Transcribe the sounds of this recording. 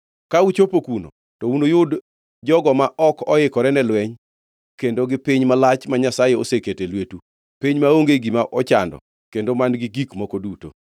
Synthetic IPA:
kaut͡ʃopokuno̰ | tɔunojʊd | d͡ʒɔɡɔmaʔɔkɔɪkɔɾɛnɛlwɛɲ | kendoɡɪpiɲmalat͡ʃmaɲasajeoseketelwetu | piɲmaoŋɡeɡimaʔɔt͡ʃa̰ndɔ̰ | kendomanɡɪɡikmɔkoduto̰

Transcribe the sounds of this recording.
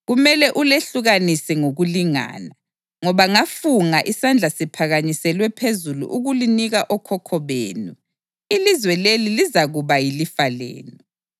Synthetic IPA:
ɣumɛlɛʔuleɬuɣanisɛŋoɣuliŋa̰ːna | ŋɔβaŋafuŋaʔisand͡ɮʱasipʰaɣaɲisɛlwɛpʰezulṵʔuɣuliniɣaʔɔkʰɔkʰɔβḛːnu | ilizwɛlelilizaɣuβajilifalḛːnɔ

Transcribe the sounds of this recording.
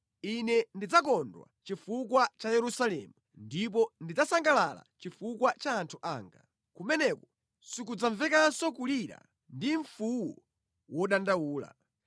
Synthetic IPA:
inɛndid͡zak̬ɔndwa̰t͡ʃifukwat͡ʃajɛɾusalɛ̰mundip̬ɔndid͡zasaŋɡalala̰t͡ʃifukwat͡ʃaːntʰuʔaːŋɡa̰ | kumɛnɛkɔ | sik̬ud͡zaɱvɛkasɔkuliɾa̰ | ndiɱfuwɔ | wɔɗandawuːla̰

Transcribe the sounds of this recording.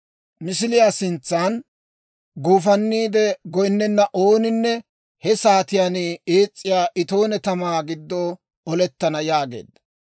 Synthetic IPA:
mɪs̬ɪlɪjaːsɪnt͡sːaːn | ɡuːfɐnːiːd̪ɛɡɔjnːɛnːɐʔoːnɪnːɛ | hɛsaːt̪ɪjaːnieːt͡sʼːɪjaːʔɪt̪o̞ːnɛt̪ɐmaːɡɪd̪ːoː | ɔlɛt̪ːɐnɐjaːɡe̞̰ːd̪ːɐ̥

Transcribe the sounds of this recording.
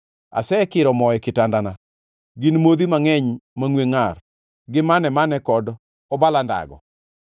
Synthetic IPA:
a̰sɛkɪɾɔmɔɛkɪtandana | ɡɪnmod̪imaŋɛɲmaŋweŋar | ɡɪmanɛmanɛkɔd | ɔbalanda̰ɡɔ̰

